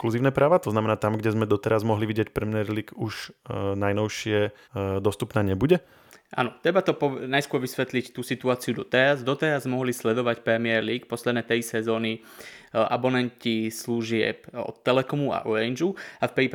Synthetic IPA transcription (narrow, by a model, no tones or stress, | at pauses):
kluziːʊnɛːpɾaːʋat̪ɔznamɛnaːt̪amɡɟɛzmɛd̪ɔt̪ɛɾazmɔɦliʋiɟɪɛc̚pɾɛmiɛɾliːɡuʒnajnɔʊʃɪɛ | d̪ɔst̪upnaːɲɛbuɟɛ | ʔa̰nɔt̪ɾɛbat̪ɔpɔnajskʊɔɾʋisʋɛt̪lict̪uːsit̪uaːt͡siud̪ɔt̪ɛɾazd̪ɔt̪ɛɾazmɔɦlislɛd̪ɔʋacpɾɛmɪɛɾliːk̚pɔslɛd̪nɛːt̪ɛjsɛzɔːni | ʔa̰bɔnɛncisluʒɪɛ̰pɔ̰t̪ːɛlɛkɔmua̰ʔɔɾɛnd͡ʒuafpɾiːp